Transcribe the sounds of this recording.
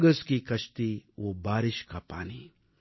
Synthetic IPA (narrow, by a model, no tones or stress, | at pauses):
ɡɐskikɐʃt̪ioːbaːɾiʃkaːpa̰ːniː